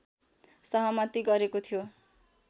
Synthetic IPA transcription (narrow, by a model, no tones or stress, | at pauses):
sʌɦʌmʌt̪iɡʌɾekot̪ʰijo